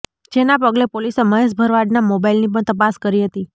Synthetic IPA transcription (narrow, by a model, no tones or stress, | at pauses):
d͡ʒenapəɡlepoliseməɦeʃ̬bʱəɾʋaɖnamobailnip̬əɳt̪əpaskəɾiɦət̪i